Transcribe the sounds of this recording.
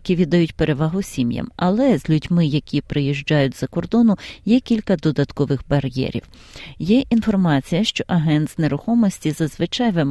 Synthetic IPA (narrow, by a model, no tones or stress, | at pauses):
kʲiʋʲid̪ːɐjutʲpeɾe̞ʋɑɦʊsʲimjɐ̰mɐlˠɛzʲlʲʊdʲmɪjɐkʲipɾɪjiʒd͡ʒɑjʊtʲzɐkɔrd̪ɔnʊjɛkʲilʲkɐd̪ɔd̪ɐt̪kɔʋɪxbɐɾʲjɛ̰ɾʲḭw | jɛʔʔinfɔrmɑt͡sʲijɐʃt͡ʃɔʔɐɦɛnt̪zneɾʊxɔmɔsʲtʲizɐzʋɪt͡ʃɑjʋem